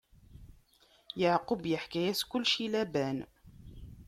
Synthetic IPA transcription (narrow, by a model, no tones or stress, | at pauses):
jəʕqʊbjəħkæjæskʊlːʃilæbæn